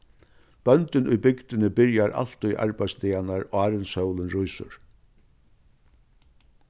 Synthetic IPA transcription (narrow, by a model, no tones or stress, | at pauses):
b̥œnt̪ɪnʊjbʏkt̪ɪnɪbɪɹjaɾʔa̰l̥t̪ʊjʔa̰ɹbajst̪iːanaɹɔaːɾɪnshœwlɪnɾʊjsʊ̰ɹ